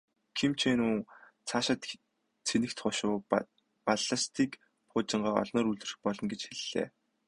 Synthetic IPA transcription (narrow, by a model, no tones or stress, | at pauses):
kʰimt͡ɕʰeːnuːŋ | t͡sʰaʃə̆t̪ | t͡sʰenɘ̆kt̪χʊʃʊː | paɮə̆st̪ʰiːk | pʊːt͡ɕɪ̆ɴɢaːɔ̰ɮnɔːɾuɮɘ̆rɘ̆xpɔɮɞ̆nɡet͡ɕxeɮ̥ːḛː